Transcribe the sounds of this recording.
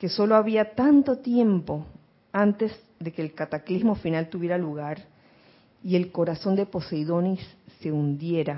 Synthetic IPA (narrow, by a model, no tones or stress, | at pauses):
ke̞so̞loaβiat̪ant̪o̞t̪je̞mpo̞ | ant̪e̞z | ðe̞keːlkat̪aklizmo̞finalt̪uβje̞ɾaluɣaɾ | ie̞lko̞ɾaso̞nd̪e̞po̞sejðo̞nisːe̞und̪je̞ɾa